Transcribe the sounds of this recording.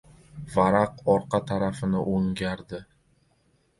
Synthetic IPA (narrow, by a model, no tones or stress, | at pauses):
vaɾaqɒɾqɑt̪ʰaɾafɪnɪʔoŋɡʲaɾd̪ɪ